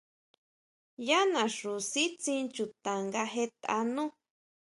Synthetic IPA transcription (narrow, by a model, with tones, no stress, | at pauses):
ja˦nã˨ʂu˨si˦t͡sĩ˧nt͡ʃu˨t̪a˨ŋɡa˧ɦe˧t̪a̰˧nũ˦